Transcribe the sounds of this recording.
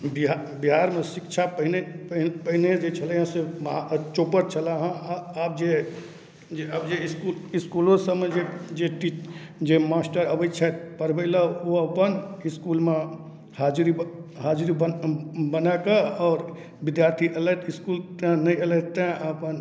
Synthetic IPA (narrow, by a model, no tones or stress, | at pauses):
biɦabiɦaːɾmẽsɪkt͡ʃʰapəɦɪneppəɦɪned͡ʒet͡ʃʰəlẽɦẽsemt͡ʃoːpəɾt͡ʃʰəlaɦãaːp̚d͡ʒe | d͡ʒeabd͡ʒeɪskulɪskulõsəmẽd͡ʒed͡ʒeʈiːt͡ʃd͡ʒemaːsʈəɾəbət͡ʃʰɛt̪pəɾbəɪlaoəpənɪskuːlmẽ | haːd͡ʒɾiɦaːd͡ʒɾibbənakaɔːɾ | bɪd̪jaːɾt̪ʰiʔeləʈ̪ɪskuːlt̪nəĩələt̪ẽəpən